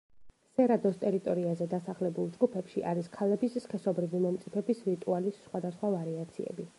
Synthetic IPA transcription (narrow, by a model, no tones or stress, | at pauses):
sɛɾad̪ɔst̪ʼɛɾit̪ʼɔɾiazɛd̪asaχlɛbulˠd͡ʒɡupʰɛpʃiʔaɾiskʰalɛbissχɛsɔbɾivimɔmt̪sʼipʰɛbisɾit̪ʼualisːχwad̪asχwavaɾiat̪sʰḭɛ̰bi